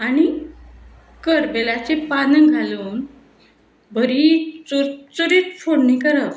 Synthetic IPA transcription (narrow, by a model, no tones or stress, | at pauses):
aɽ̃i | kəɾbelat͡ɕepanəŋɡʱaluːn | bʱəɾit͡suɾt͡suɾit͡sfoɽnikəɾəʋ